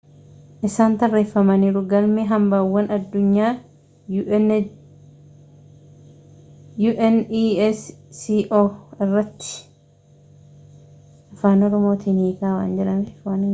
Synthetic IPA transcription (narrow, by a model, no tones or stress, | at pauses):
ʔɪsaːnt̪ɐrːe̞ːfːɐmɐniːɾʊɡɐlmeːɦɐmbaːwːɐnɐd̪ːʊɲːaː | juːʔɛnisiːʔoːɪrːɐt̪ːɪ̥ | ɐfaːnɔɾɔmo̞ːt̪iːnhiːkaːwa̰ːnd͡ʒɛᶑɐnaːnɪ